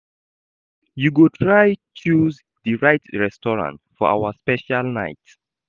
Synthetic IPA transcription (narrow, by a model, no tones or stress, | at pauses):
juɡotʰɹaj | t͡ʃuz | ðɨɹaɪtɹɛstɔɹã̰ntfɔʔa̰wəspɛʃalˠnaɪt